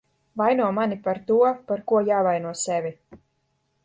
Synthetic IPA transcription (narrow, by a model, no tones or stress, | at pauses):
vajnuɔmanipaɾt̪uɔpaɾkuɔjaːvajnuɔsɛvʲi